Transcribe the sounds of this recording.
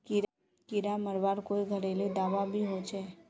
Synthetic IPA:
kiɾ | kɪɾaməɾbaːɾkoːiɡʱəɾelid̪aːʋabʱiɦot͡ʃɛː

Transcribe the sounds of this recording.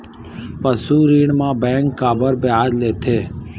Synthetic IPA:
pəsuːɾiːɳmãːbɛ̃ːŋkːaːbəɾbeaːd̪leːt̪ʰeː

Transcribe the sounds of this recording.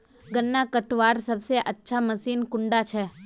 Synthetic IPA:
ɡənːakəʈʋaːɾsɐbseʔɐtːʃʰaməsiːnkʊ̃ɳɖat͡ʃʰɛː

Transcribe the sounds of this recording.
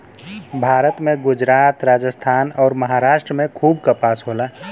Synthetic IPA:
bʱaːɾət̪mẽɡʊd͡ʒɾaːt̪ɾaːd͡ʒəst̪ʰaːnɔːɾməɦaːɾaːʃʈɾəmẽkʰuːb̚kəpaːsɦola

